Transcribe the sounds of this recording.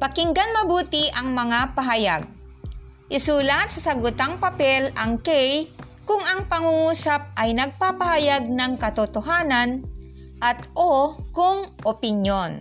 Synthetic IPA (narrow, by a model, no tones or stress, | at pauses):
pɐkɪŋɡanmɐbuːt̪ɪʔɐŋmɐŋapɐɦajaɡ̚ | ʔɪsuːlat̪sɐsɐɡʊt̪aŋpɐpɛlɐŋkɛj | kʊŋɐŋpɐŋuŋuːsap̚ʔɐjnɐɡ̚papɐhajaɡ̚nɐŋkɐt̪ot̪oɦaːnan | ʔɐt̪ʔokʊŋʔopɪnjon